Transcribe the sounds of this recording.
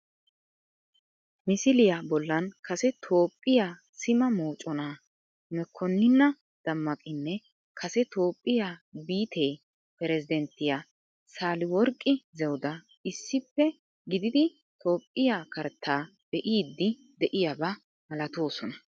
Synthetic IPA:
mɪsɪlɪjabɔlːɐnkʰɐsɛt̪ʰo̞ːpʼːɪjaː | sɪmɐmoːt͡ʃʼːɔnaː | mɛkʰːɔnːɪnːɐ | d̪̥ɐmːɐkʼɪnːɛ | kʰɐsɛt̪o̞ːpʼːɪjaːbiːt̪ʰej | pɛɾɛzɪd̪ɛnt̪ːɪja | saːlɪwɔɾkʼːɪzɛwʊd̪ɐ | ɪsːɪpːɛ | ɡɪd̪ɪd̪ɪ | t̪ʰo̞ːpʼːɪjaːkɐɾt̪ʰːaː | b̥ɛʔiːd̪ːɪ | d̪ɛʔɪjabɐ | mɐlɐt̪o̞ːsɔnɐ

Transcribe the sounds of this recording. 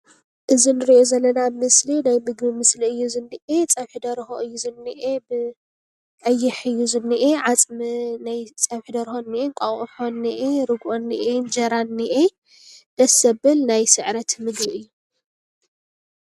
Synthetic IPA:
ʔɨzinɨɾiʔozɐlːɐnamɨslinajmɨɡbimɨsliɨjːuzɨnːiʔet͡sʼɐβħɨd̪ɐɾxoʔɨjːuzɨnːiʔebɨ | ʕajːɪħɨjːuzɨnːiʔeʕat͡sʼmɨnajt͡sʼɐβħd̪ɐɾxonːiʔeŋkʼɐɣħonːiʔeɾɨɡʔonːiʔend͡ʒɐɾanːiʔe | d̪̥ɐsɐbɨlnajsɨʕɾɐt̪mɨɡbiɨjːu

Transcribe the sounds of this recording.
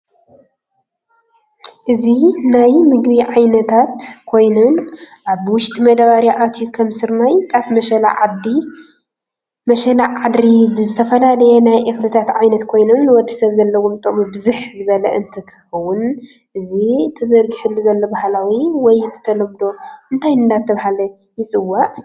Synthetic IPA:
ʔɨzinajmɨɡbiʕajnɐt̪ʰat̪kʰo̞jnonʔaβwʊʃt̪ʼimɐd̪aβaɾjaʔat̪ʰjukʰɐmsɨɾnajkʰʼafmɐʃɐla̰ʕad̪i | mɐʃɐlaad̪ɾibɨzɨt̪ʰɐfɐlalɐjɛnajʔexlɨt̪ʰat̪ʕajnɐt̪kʰo̞jnonːɨwɔd̪ːisɐβzɐlːɐwomt̪ʼɨmubɨzuħzɨβɐlɐʔɨnt̪ʰɨkʰɐxɐwʊn | ʔɨzit̪ʰɐzɐɾɡiħulɨzɐlːɐbahlawiwɔjt̪ʰɨ̥t̪ʰɐlɐmd̪o̞ʔɨnt̪ʰajɨnd̪at̪ʰːɐβhalɐ | jɪt͡sʼɨwːaʔ

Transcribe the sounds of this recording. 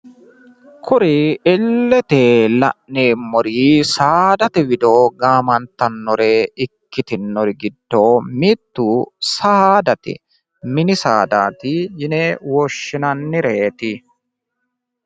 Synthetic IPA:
kʰɔɾiɛlːɛt̪eːlɐ̰ʔneːmːɔɾiːsaːd̪ɐt̪ɛwɪd̪oːɡaːmɐnt̪ːɐnːɔɾeːɪkːɪt̪ɪnːɔɾɪɡɪd̪ːoːmiːt̪ːʊsaːd̪ɐt̪ɪ̰ | mɪnɪsaːd̪aːt̪ɪjɪneːwɔʃːɪnɐnːɪɾeːt̪ɪ

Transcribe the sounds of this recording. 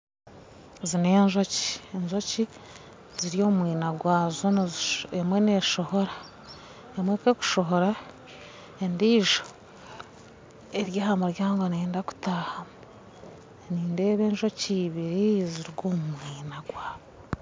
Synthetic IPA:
zine̞ːnʒo̞ci̥eɲʒo̞ci | ziɾijo̞ːmumwiːnaɡwaːzonozemwe̞ne̞ʃo̞ho̞ɾa | emwekeku̥ʃo̞ɦo̞ɾa | endiːʒo̞ | eɾjaːhamuɾjaːŋɡo̞neːndaku̥tahamu | niːnde̞ːβe̞ːnʒo̞ciβiɾiziɾɡoːmumwiːnaɡwaːβo

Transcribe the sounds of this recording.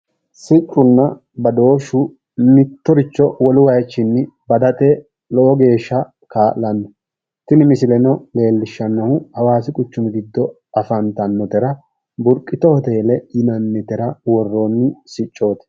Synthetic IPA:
sɪt͡ʃʼːʊnːɐ | bɐd̪o̞ːʃʊ | nɪt̪ːɔɾɪt͡ʃːɔwɔlʊwɐjt͡ʃːɪnːɪbɐd̪ɐt̪ʼɛ | lɔʔɔɡe̞ːʃːɐ | kaːlɐnːɔ | t̪ɪnɪmɪsɪlɛnɔle̞ːlːɪʃːɐnːɐhʊhɐwaːsɪkʼʊt͡ʃːʊmɪɡɪd̪ːɔ | ʔɐfɐnt̪ɐnːɔt̪ɛɾɐ | bʊɾkʼːɪt̪ɔhɔt̪e̞ːlɛjɪnɐnːɛt̪ɛɾɐwɔrːonːɪsɪt͡ʃʼːo̞ːt̪ɛ̥

